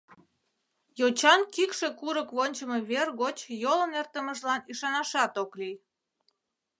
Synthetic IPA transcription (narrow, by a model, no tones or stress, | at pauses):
jot͡ɕɑnkikʃekuɾəkβonʲt͡ɕəmeβerɣot͡ɕjolənert̪əməʒlɑniʃɑnɑʃɑt̪oklij